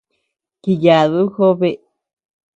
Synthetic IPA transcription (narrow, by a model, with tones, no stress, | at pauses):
ki˧ja˨ðu˦xo˦βe˧